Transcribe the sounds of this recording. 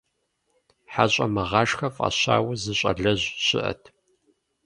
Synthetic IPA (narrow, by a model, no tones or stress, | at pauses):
ħaɕʼɐmɐʁɑːʂxɐfʼa̰ɕɑ̰ːwɐzɨɕʼɐ̰ɮɐʑɕʼɪ̰ʔɐ̰tʰ